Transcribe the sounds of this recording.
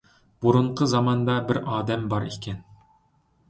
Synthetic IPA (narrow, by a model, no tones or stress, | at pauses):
buɾuɴqʰəzɑmɑnd̪ɑbɪɾɑːd̪ɛmbɑɾekʲʰɛn